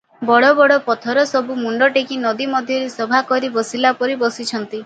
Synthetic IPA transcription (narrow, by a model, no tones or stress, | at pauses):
bɔɽɔbɔɽɔpɔt̪ʰɔɾɔsɔbumuɳɖɔʈekinɔd̪imɔd̪ʱjɔɾesɔbʱakɔɾibɔsilapɔɾibɔsit͡ʃʰɔnt̪i